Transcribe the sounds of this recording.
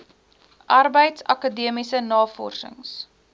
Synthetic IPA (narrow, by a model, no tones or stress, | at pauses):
ʔɐrbəjtsɐ̰kɑdiəmisənɑːfɔ̰rsə̰ŋs